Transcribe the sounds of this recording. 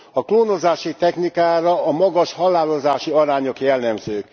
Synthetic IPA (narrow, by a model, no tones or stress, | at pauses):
ɒkloːnozaːʃit̪ɛxnikaːɾɒɒmɒɡɒʃhɒlːaːlozaːʃiɒɾaːɲo̞kjɛlːɛmzøːk